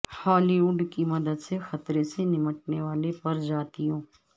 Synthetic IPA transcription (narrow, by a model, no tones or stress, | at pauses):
haːliʊɖkimɐd̪əd̪sexɐt̪ɾesenɪməʈneʋaːlepɐɾd͡ʒaːt̪iõː